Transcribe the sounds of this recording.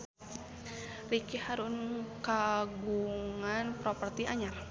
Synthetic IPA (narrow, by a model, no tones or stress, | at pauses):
rikihaɾʊnkaɡuŋanpɾopərt̪iaɲar